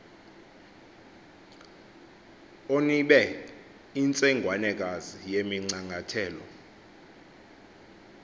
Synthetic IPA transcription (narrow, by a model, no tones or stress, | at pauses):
oniɓɛ | int͡sʼɛŋɡʱwanɛk̬azijemiŋ͡ǀaŋɡʱatʰɛːlɔ̰